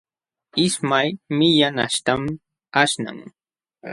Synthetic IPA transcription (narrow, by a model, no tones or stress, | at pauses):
ɪsmajmɪjana̰ʃt̪am | aʃna̰ŋ